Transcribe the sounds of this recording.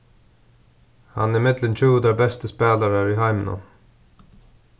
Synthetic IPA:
hɑ̰nɪmɪd̪lənt͡ʃʉːd̪əbɛst̪əspeːləɾæːɹihɑɪmnɔ̰n

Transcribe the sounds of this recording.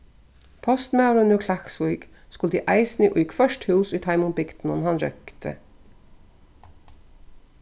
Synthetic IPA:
pʰɔst̪mɑʊɾʉnuːkʰlæksʋuʏɡ | skʊld̪ḭːʔæɪsniʔoːjɪkfœʃthʉːsiːt̪ʰɑɪmʊmbɪkt̪n̩ɔnhɑnɾœ̰kt̪ʰə̰

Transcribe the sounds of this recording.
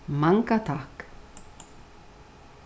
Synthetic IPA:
maŋkat̪ʰahk

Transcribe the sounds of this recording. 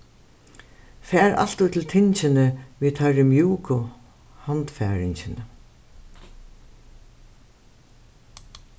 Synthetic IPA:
fæːɾa̰l̥t̪uːt̪ʰlt̪ʰɪɲt͡ʃɪnəʋiːt̪ʰœɹɪmjuːkʊ | hant̪fæːɾɪɲt͡ɕɪnə

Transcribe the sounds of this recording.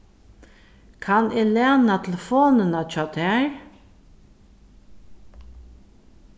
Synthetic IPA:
kʰanɪlɛːnat̪ʰɪlfoːnənat͡ʃʰɔːt̪ʰɛɹ

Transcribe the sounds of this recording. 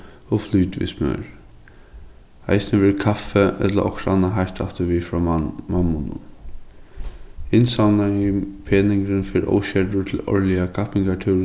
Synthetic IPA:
ɔfluːt̪ʋḭsmœ̰ːɹ | a̰jsnəʋɛːɾkʰafɛɛ̰t̪la̰ʔɔkɾanːaɦajɾt̪a̰ft̪ɪʋiːfɾɔːmamːʊnʊ̰ | ɪnsawnaipʰeːnɪŋkɾɪnfɪɾɔ̰wɕɛtʊt̪ʰɪlɔ̰ɹlɪakʰapɪŋkat̪ʰʉːɾ

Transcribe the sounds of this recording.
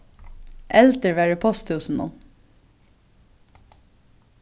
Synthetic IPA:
ʔɛlt̪əɹʋæːɹəpʰɔst̪ʉːsn̩ʊ̰

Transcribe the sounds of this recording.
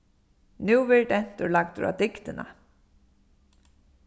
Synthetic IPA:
nʉːvɪɾʈɛn̥t̪ʊɾlak̚t̪ɾa̰d̪ɪkt̪ɪna̰

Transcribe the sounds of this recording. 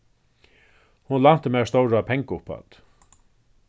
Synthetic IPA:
hʊnlan̥t̪əmɛːst̪owɹapʰɛŋkʊpʰa̰t̪

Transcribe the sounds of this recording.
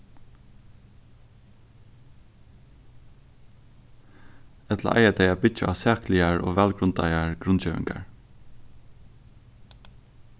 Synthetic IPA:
ɛt̪ʰla̰ʔa̰ɪad̪ɛɪabɪt͡ʃə̰asæːklɪaɹo̰ːʋɛːlɡɾʊnt̪a̰ɪaɹɡɾʊnt͡ʃeːʋɪ̰ŋɡa̰ɹ

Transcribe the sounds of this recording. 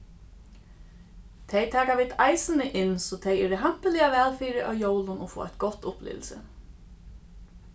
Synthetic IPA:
t̪ʰejt̪ʰaːkaʋiːd̪ajsɪnɪʔɪnsɔt̪ʰejɛːɾɪɦam̥pəliːaʋɛːlfiːɾɪʔa̰wjowlʊnɔfo̰ːʔa̰jt̪ɡ̥ɔt̪ʊplʔɪ̰ːʋlsɪ̰

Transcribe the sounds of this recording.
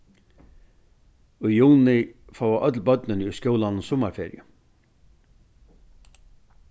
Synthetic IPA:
ʏjuːnɪfaːwvaʔœt̪̬lpœt̪nʏnʏskjowlannsɔmaɾfɛ̰ːɾjʏ̰

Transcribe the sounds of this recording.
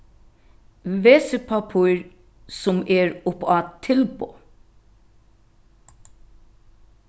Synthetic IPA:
ʋeːsəpʰɑpʰuːɹ | sɔmeːɹʊpɑːt̪ʰɪlboː

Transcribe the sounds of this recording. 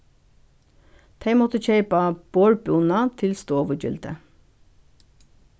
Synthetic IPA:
d̪̥ʰeɪmɔt̪əçeɪpɑb̥oːɹbuːnɑt̪ʰɪlst̪oːʋəd͡ʒʏ̰ld̪ə̰

